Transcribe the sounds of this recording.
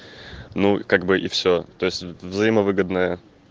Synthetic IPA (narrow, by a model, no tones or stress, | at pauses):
nukaɡbɨʔifsʲot̪o̞jɪsʲtʲvzɐjiməvɨɡəd̪nəjə